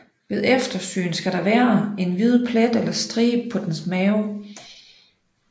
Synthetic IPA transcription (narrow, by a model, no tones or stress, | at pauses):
ʋe̝ðˠefd̥ɐsy̰ːn̩sɡ̥æɾ̥ɑ̈ʋæːɐe̝nʋið̞ˠpʰlæd̥elɐsd̥ʁḭːpʰɒ̽d̥ensmɛːʊ